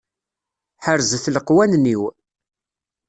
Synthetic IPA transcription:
ħəɾzəθləqwænniw

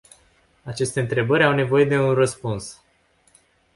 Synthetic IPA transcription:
at͡ʃe̞st̪e̞ɨnt̪ɾe̞bəɾʲawne̞vo̞je̞d̪e̞unrəspuns

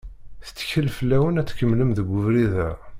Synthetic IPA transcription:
θə̥t͡sːçəlfəlːæwənæt͡sːkəmːləmðəɡʷːʊvɾiðæ

